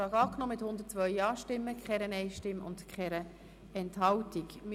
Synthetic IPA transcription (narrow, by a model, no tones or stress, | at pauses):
ɑːɡɑːknoːmɪthʊnd̪ət̚t͡sʋœʏɑːʃtɪmːəkχɛɾənɛɪʃtɪmʊ̰ndkχɛɾə | ɛntɦɑltikm